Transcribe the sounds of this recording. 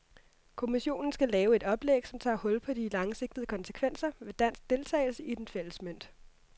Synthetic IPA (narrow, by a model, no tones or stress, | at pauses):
kʰo̝miɕo̝̰ːnn̩sɡ̥ælɛːʊe̝d̥ɒ̽b̥leɡ̥sɒ̽mt͡sʰɑ̰̈ːhɔ̽l̰pʰɒ̽d̥ilɑ̈ŋse̝ɡ̥̚d̥əð̩ˠəkʰɒ̽nsə̥kʰʋen̰sɐʋe̝d̥æn̰sɡ̥̚d̥e̝lt͡sʰɛ̰ɪl̩səid̥enfel̰l̩smøn̰d̥